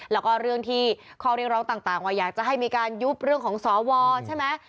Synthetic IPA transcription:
lɛː˦˥wkɔː˥˩ɾɯ˥˩əŋt̪ʰiː˥˩kʰɔː˥˩ɾi˥˩k̚ɾɔː˦˥ŋt̪aː˨˩ŋt̪aː˨˩ŋwaː˧˩jaː˨˩k̚t͡ɕa˨˩ɦa˥˩jmiː˧kaː˧nju˦˥p̚ɾɯ˥˩əŋkʰɔː˩˦ŋsɔː˩˦wɔː˧t͡ɕʰa˥˩jmɛ˦˥j

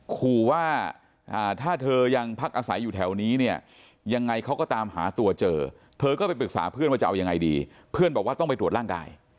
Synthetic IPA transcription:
kʰuː˧waː˥˩ | ʔaː˨˩t̪ʰaː˥˩t̪ʰɤː˧ja˧ŋpʰa˦˥k̚ʔaː˧sa˩˦jːuː˨˩t̪ʰɛː˩˦wniː˦˥ni˥˩ɐ | ja˧ŋːa˧jkʰa˦˥wkɔː˥˩t̪aː˧mɦa̰ː˩˦t̪u˧ɐt͡ɕɤː˧ | t̪ʰɤː˧kɔː˥˩pa˧jpɾɯ˨˩k̚sa̰ː˩˦pʰɯ˥˩˨nwaː˥˩t͡ɕa˨˩ʔa˧wja˧ŋːa˧jdḭː˧ | pʰɯ˥˩ənbɛː˨˩k̚waː˥˩t̪ɔ˥˩ŋpa˧jt̪ɾt̪ɾaː˥˩ŋka̰ː˧j

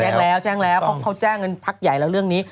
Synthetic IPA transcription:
aː˥˩lɛː˦˥wt͡ɕɛː˥˩ŋlɛː˦˥wkʰa˦˥wkʰa˦˥˩wt͡ɕaː˥˩ŋːɤ˧npʰa˦˥k̚ja˨˩jlɛ˦˥wɾɯ˥˩əŋniː˦˥

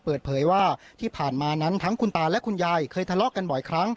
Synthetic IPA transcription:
pɤː˨˩t̪̚pʰɤː˩˦jwaː˥˩t̪ʰiː˥˩pʰaː˨˩nmaː˧na˦˥nt̪ʰa˦˥ŋkʰu˧nt̪aː˧lɛ˦˥ʔkʰu˧njaː˧jkʰɤː˧jt̪ʰa˧lɔ˦˥ʔka˧nbɔ˨˩jkʰɾa˦˥ŋ

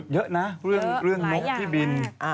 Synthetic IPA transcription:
t̪̚jə˦˥ʔna˦˥ɾɯ˥˩əŋɾɯ˥˩əŋno˦˥k̚t̪ʰiː˥˩bi˧n

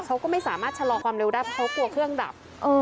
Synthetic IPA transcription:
kʰa˦˥wkɔː˥˩ma˥˩jsaː˩˦maː˥˩t̪̚t͡ɕʰa˧lɔː˧kwaː˧mɾe˧wdaː˥˩jpʰɔ˦˥kʰk̪u˧˩kʰɾɯ˥˩əŋda̰˨˩p̚ | ʔɤː˧

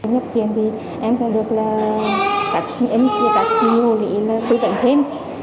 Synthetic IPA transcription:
ɲə˦˥p̚t͡ɕwi˨˩ənt̪ʰi˨˩ | ʔɛ˧mkɔ̰˧˥ɗɨ˨˩ək̚laː˨˩ | kaː˨˦˥k̚ʔi˧ŋki˧˦kaː˨˦k̚ːi˧˩u˨˩lḭ˧˩˦laː˨˩t̪ɨ˧˩və̰˧˨ŋt̪ʰe˧m

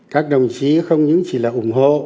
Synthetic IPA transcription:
kaː˦˥k̚ɗə˨˩wŋ͡mt͡ɕi˨˦xə˧wŋ͡mɲɨ̰˧˥ŋt͡ɕi˧˩laː˨˩ʔʊ˨˧˩ŋ͡mɦo̰˧˨

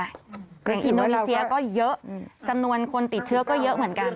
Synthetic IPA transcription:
ja˨˩ŋʔi˧ndoː˧nie˧˥si˧ɐkɔː˥˩jɤ˦˥ʔt͡ɕa˧mnu˧ənkʰo˧nt̪i˨˩t̪̚t͡ɕʰɯ˥˩ɐkɔː˥˩jɤ˦˥ʔmɯ˩˦ənka˧n

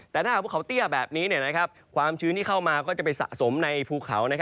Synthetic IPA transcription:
t̪ɛː˨˩aː˥˩a˨˩pʰu˩kʰt̪i˥˩əbɛː˨˩p̚niː˦˥ni˥˩na˦˥kʰa˦˥p̚ | kʰwaː˧mt͡ɕʰɯː˦˥nt̪iː˥˩kʰa˥˩wmaː˧kɔː˥˩t͡ɕa˨˩pa˧jsa̰˨˩ʔso˩˦mna˧jpʰuː˧˩kʰːa̰˩˦wna˦˥kʰ

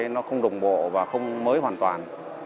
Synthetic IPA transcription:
nɔ˨˦xə˧wŋ͡mɗə˨˩wŋ͡mɓo̰˧˨vaː˨˩xə˧wŋ͡mməː˨˦jɦwaː˨˩nt̪waː˨˩n

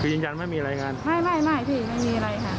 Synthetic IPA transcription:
kʰɯː˧jɯː˧ŋd͡ʑa˧nma˥˩jmiː˧ɾaː˧jŋaː˧nma˥˩jma˥˩jma˥˩jpʰiː˥˩ma˥˩jmiː˧ʔa˧ɾa˧jkʰa˥˩

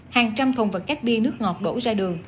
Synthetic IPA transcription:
haː˨˩ŋt͡ɕa˧mt̪ʰə˨˩ŋ͡mvə˨˩t̚ka˦˥jk̚ɓi˧nɨ˦˥ək̚ŋɔ˨˩t̚ɗo̰˧˥zaː˧ɗɨ˨˩əŋ

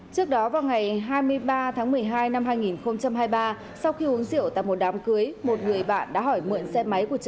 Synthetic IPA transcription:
t͡ɕɨ˦˥ək̚ɗɔ˨˦vaː˨˩wŋa˨˩jɦaː˧jmɨ˧əjɓaː˧t̪ʰaː˨˦ŋmɨ˨˩əjɦaː˧jna˧mɦaː˧jŋi˨˩nxə˧wŋ͡mt͡ɕa˧mɦaː˧jɓaː˧ | sa˧wxi˧hu˨˦əŋzḭ˧˨əwt̪a̰ː˧˨jmo˨˩t̚ɗaː˨˦mkɨ˨˦əjmo˨˩t̚ŋɨ˨˩əjɓa̰ː˧˨nɗa̰ː˧˥ɦɔ˧˩jmɨ̰˧˨ənsɛ˧ma˨˦jku˧˩ət͡ɕə˧˩

